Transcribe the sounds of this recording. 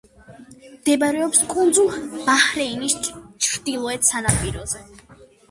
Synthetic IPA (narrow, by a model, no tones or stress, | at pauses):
md̪ɛbaɾɛɔpskʼund̪zulˠb̥ahɾɛinist͡ʃʰɾd̪ilˠɔɛt̪sanapʼiɾɔzɛ